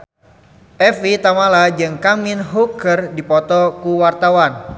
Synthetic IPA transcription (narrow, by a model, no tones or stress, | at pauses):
ʔɛfit̪amalad͡ʒɨŋkaminɦukərdipɔt̪ɔkuwart̪awan